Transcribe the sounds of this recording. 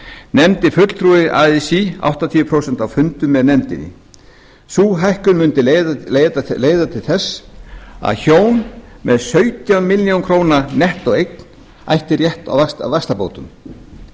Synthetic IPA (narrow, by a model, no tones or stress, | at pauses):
nɛmt̪ɪfʏt̪l̥t̪ʰɾuːɪʔa̰ːðɪsia̰wht̪at̪ʰiːvʏpʰɾowsɛn̥t̪awfʏnt̪ʏmːɛðnɛmt̪ɪ̰nːɪ̰ | suːɦajhkʏnmʏnt̪ɪeleleːjðat̪ʰɪlθɛsː | a̰ðçoːwnmɛðsœɥt̪jamɪljowŋkʰɾoːwnanɛht̪ɔɣejk̚n̥ | a̰jht̪ɪrjɛht̪a̰wvat̪a̰wvakst̪apo̰wt̪ʏm